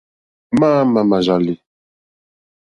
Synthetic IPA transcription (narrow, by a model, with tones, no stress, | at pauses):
ma˦ma˨ma˨ʒa˨li˨